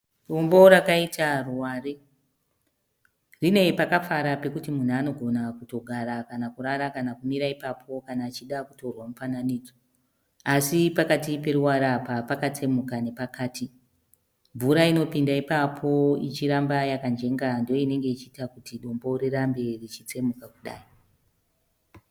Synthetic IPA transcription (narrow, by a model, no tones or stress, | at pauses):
ɗo̞mbo̞ɾakaitaruware | rine̞pakap͡faɾape̞kutimun̤uano̞ɡʱo̞nakuto̞ɡʱaɾakanakuɾaɾakanakumiɾaipapʰo̞kanaːt͡ʃiɗakuto̞rwamufananiːɡi | asipakatipe̞ɾuwaɾapapakat͡se̞mukane̞pakʰaːtʰi | ɱvuɾaino̞pindaipapʰo̞it͡ʃiɾambajakand͡ʒe̞ŋɡandojoine̞ŋɡe̞it͡ʃiːtakutiɗo̞mbo̞ɾirambe̞rit͡ʃit͡se̞mukakuɗa̰ːi